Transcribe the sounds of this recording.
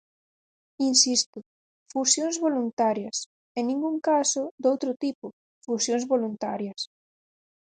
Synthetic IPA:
insist̪ʊ | fusjõŋzβolunt̪aɾjɐs | enĩŋɡuŋkasʊd̪owt̪ɾʊt̪ipʊ | fusjoŋzβolunt̪aɾjɐs

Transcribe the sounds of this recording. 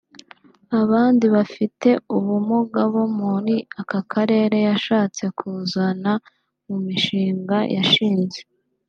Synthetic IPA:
aβaːndiβafite̞uβumuɡaβomoniakakʰaɾe̞ːɾe̞jaʃaːt͡se̞kʰuzana | mumiʃiːŋɡajʔaʃiːnze̞

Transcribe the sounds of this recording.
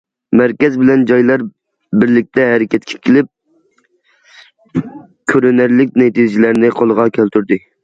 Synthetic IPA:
mæɾkʲɛzbɪlɛnd͡ʒɑjlˠɑɾ | bɪɾlɪk̚ʲt̪ʰɛɦɛɾɪkʲɛt̪̚kʲʰe̥kʲʰɪlɪp̚ | kʲʰøɾynæɾlɪk̚ʲnet̪id͡ʒilæɾnɪqʰolˠəʁɑkʲʰælt̪yɾd̪ɪ

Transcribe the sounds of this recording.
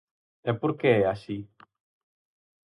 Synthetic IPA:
ɛpoɾkeɛaʃi

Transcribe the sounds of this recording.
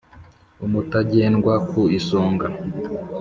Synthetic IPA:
umutaɟeːnɡwakuisoːŋɡa

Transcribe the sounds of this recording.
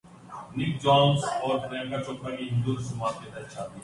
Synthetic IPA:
nɪk̚d͡ʒaːnsɔːɾfɾɛ̃ːŋkat͡ʃɔːkʰɾakiɦɪ̃nd̪uːɾsʊmaːt̪k̪ed̪ɐt͡ʃʰaːt̪i

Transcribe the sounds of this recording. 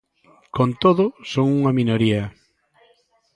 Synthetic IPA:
kont̪oðʊsoŋuŋamĩnoɾiɐ

